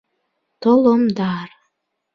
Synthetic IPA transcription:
t̪olomd̪ɑr

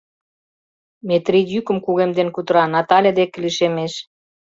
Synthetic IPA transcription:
met̪rid̪jykə̆mkuɣemd̪enkut̪əɾɑnɑt̪ɑlʲed̪ek̆liʃemeʃ

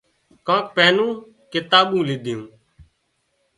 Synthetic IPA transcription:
kãːk̚peːnũː | kɪt̪aːɓũːlɪd̪ʱɪjũː

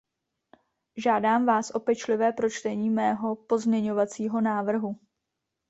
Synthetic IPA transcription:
ʒaːdaːmvaːsʔo̞pɛt͡ʃlɪvɛːpɾo̞t͡ʃt̪ɛɲiːmɛːɦo̞po̞zmɲɛɲo̞vat͡siːɦo̞naːvr̩ɦu

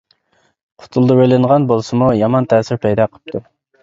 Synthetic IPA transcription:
qʰʊ̥t̪ʰulˠd̪ubølɪɴʁɑnbolˠsumujɑmɑnt̪ʰɛːsɪɾpʰɛjd̪ɑqʰə̥p̚t̪ʰu

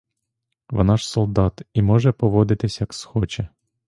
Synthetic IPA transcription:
ʋɔ̰nɑʃsɔlˠd̪ɑt̪imɔʒɛpɔʋɔd̪ɪt̪ɪsʲjɐksxɔt͡ʃɛ

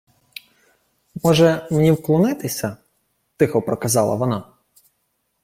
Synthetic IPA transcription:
mɔʒɛmenʲiwklˠɔnɪt̪ɪsʲɐ | t̪ɪxɔpɾɔkɐzɑlˠɐ̰ʋɔnɑ

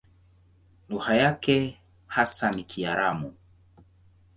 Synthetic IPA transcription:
luhajakɛ | hasanikʰiaɾamu

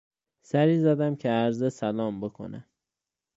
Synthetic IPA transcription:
sæɾiːzæd̪æmcʰeæɾzesælɒːmbe̞kʰo̞̰næ̰m

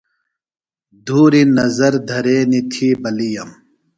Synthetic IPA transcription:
d̪ʱuːɾinɐzɐɾd̪ʱɐɾeːnit̪ʰiːbɐlijɐm

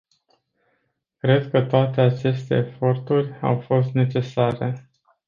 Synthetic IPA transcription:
kɾe̞d̪kət̪oat̪e̞at͡ʃe̞st̪e̞̰ːfo̞rt̪urʲa̰wfo̞st̪ne̞t͡ʃe̞saɾe̞̰

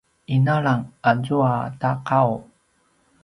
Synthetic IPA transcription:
ʔinalaŋazuataqaw

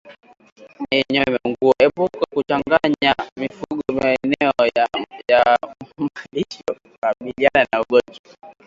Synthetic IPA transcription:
niɲɔmɛŋɡuɔɛpukɔkut͡ʃaŋɡaɲamifuɡɔmaɛnɛɔjamaliʃɔ | waɓiliananauɡɔnd͡ʒɔ

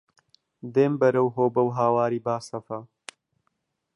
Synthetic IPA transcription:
d̪eːmbɐɾɐwɦoːbɐwɦaːwaːɾiːbaːsɐfa

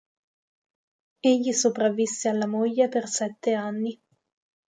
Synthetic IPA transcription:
eʎːisopɾavːisːealːamoʎːepersɛt̪ːeanːi

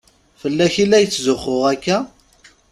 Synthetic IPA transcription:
fəlːæçilæjət͡sːzʊχʊʁækːæ

